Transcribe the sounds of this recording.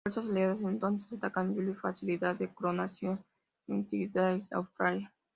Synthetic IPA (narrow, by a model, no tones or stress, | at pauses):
ososleðes̬ẽnt̪õnsest̪akand͡ʒulifasilit̪at̪d̪ekɾonasjon | ensiɡit̪aisa̰wfpɾaja